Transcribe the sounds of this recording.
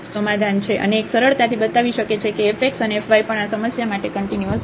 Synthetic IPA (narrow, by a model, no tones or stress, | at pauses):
səmad̪ʱant͡ʃʰeʔə̰neːksəɾəɭt̪at̪ʰibət̪aʋiʃəket͡ʃʰekeːfek̚ʈsəneefʋajpəɳasəməsjamaʈekəɳʈinjuəs